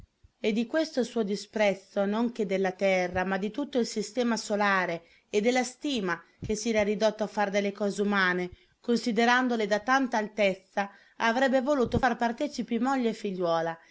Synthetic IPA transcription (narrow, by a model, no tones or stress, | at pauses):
ed̪ːikwest̪osuːod̪ispɾɛt̪sːonoŋk̟ed̪elːat̪ɛrːamad̪ːit̪ut̪ːoilsist̪ɛːmasolaːɾe | ed̪ːelːast̪iːma | k̟esːɛːɾaɾid̪ot̪ːoafːard̪elːekɔːzeumaːne | konsid̪eɾand̪oled̪at̪ant̪aːlt̪et̪sːa | avɾɛbːevoluːt̪ofarpart̪ɛːt͡ʃipimoʎːeːfːiʎːwɔːla